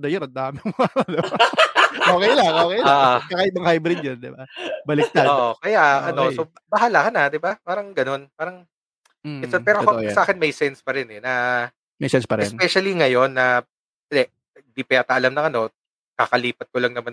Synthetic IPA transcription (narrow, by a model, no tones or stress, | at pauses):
d̪ɐjonʔɐnd̪aːmɪmoɐɐd̪ | oːkejlaŋokɛjaʔkɐkaʔɪbɐŋhajbɾɪd̪jɐnd̪ɪbabɐlɪk̚t̪aoʔokɐjaɐo̞so | bɐɦalakɐnad̪ɪbapaːɾɐŋɡɐno̞npaːɾɐŋ | ɛsɐpɛːɾoɐkɐsɐʔaːkɪnmɐjsɛnspɐɾɪnɛnɐ | mɐjsɛnspɐɾɛ̰nspɛʃɐliŋɐjo̞nːɐ | d̪ɛ | ɐd̪ɪpɛːt̪ɐʔɐlamnɐŋɐno̞ | kakɐliːpɐt̪̚kolɐŋnɐman